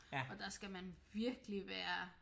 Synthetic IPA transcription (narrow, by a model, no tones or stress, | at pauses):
ɒ̽d̥ɑ̈sɡ̥æmænʋiɐɡ̥əliʋæːɐ